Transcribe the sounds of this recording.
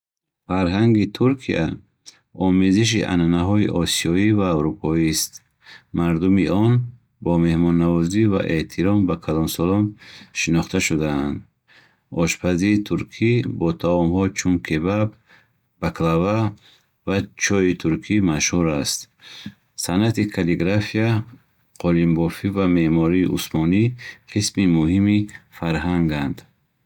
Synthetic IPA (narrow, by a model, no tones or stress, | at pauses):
faɾɦaŋɡit̪ʰuɾkʰia | ɔmeziʃ̬iʔa̰nanaɦɔiʔɔsiɔivaːwɾupʰɔist̪ | maɾd̪umiʔɔn | bɔme̞hmɔnːavɔziva̰ʔe̞ht̪ʰiɾɔmbakʰalɔnsɔlɔnʃinɔχt̪ʰaʃud̪aand̪ | ɔʃpʰaziːt̪ʰuɾkʰibɔt̪ʰaɔmhɔt͡ʃʰunkʰe̞babː | akʰlava | vat͡ʃʰɔit̪ʰuɾkʰimaʃhuɾast̪ | sanat̪ikʰaliɡɾafia | qʰɔlimbɔfivame̞hmɔɾiːʔṵsmɔniqʰismimuhimifaɾɦaŋɡand̪̥